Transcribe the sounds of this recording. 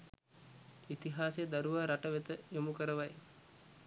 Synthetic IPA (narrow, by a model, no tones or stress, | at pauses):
it̪iɦaːsejd̪aɾuʋaːɾaʈəʋet̪əjomukəɾəʋaj